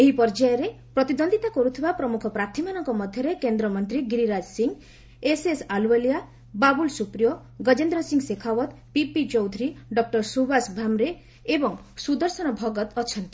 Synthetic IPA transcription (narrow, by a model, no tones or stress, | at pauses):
eɦipɔɾd͡ʒajɔɾe | pɾɔt̪id̪ɔnd̪ʱit̪akɔɾut̪ʰibapɾɔmukʰɔpɾat̪ʰimanɔŋkɔmɔd̪ʱjɔɾekend̪ɾɔmɔnt̪ɾiɡiɾiɾad͡ʒsiŋɡ | esesaluelija | babulsupɾijɔ | ɡɔd͡ʒend̪ɾɔsiŋɡsekʰawɔt̪ | pipit͡ʃɔwd̪ʱuɾiɖɔk̚ʈɔɾsubasbʱamɾe | ebɔŋsud̪ɔɾsɔñɔbʱɔɡɔt̪ɔt͡ʃʰɔnt̪i̥